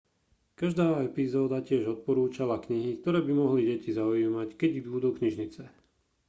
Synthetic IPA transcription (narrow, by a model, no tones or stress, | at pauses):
kaʒd̪aːɛpizɔːd̪acɪɛʒɔt̪̚pɔɾuːt͡ʃalakɲiɦik̚t̪ɔɾɛːbimɔɦliɟɛcizaujiːmackɛɟbbuːd̪uːkɲiʒɲit͡sɛ